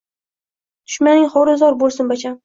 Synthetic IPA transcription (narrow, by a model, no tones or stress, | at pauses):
t̪ʰʊ̥ʃmanɪŋχɒɾɪzɒɾbolˠsɪnbat͡ʃʰam